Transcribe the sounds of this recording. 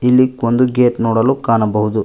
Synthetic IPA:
ilːikond̪uɡeːʈnoːɽɐlukaːnɐbɐɦud̪u

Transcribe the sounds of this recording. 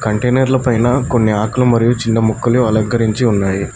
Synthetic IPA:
kɐɳʈeːnɐɾlɐpɐjnɐko̞nːiaːkɐlɐmɐɾijut͡ʃindɐmukːuluɐlɐɡɐɾiɲt͡ʃiunːaːji

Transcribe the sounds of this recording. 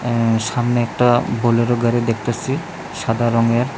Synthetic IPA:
samneɛk̚ʈaboleɾoɡaɾed̪ek̚t̪asi | sad̪aɾɔŋeɾ

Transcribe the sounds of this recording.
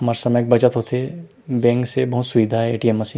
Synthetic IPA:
ɦɐmaːɾesɐməjk̚bɐt͡ʃət̪ɦoːt̪ʰe | bɛ̃ːŋksebɐɦʊt̪sʊʋid̪ʱaɦɛeːʈiemːɐsiːn

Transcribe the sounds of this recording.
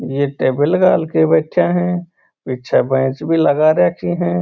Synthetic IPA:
jeʈeːbɪlɡaːlkebeʈʰːjaɦɛ̃ː | pɪtːʃʰabẽːt͡ʃbʱiləɡaɾeːkʰiɦɛ̃ː

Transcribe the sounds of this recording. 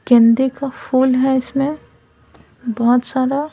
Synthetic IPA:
kɛ̃ːnd̪ekapʰuːlɦɛɪsmẽ | bɔɦʊt̪saːɾa

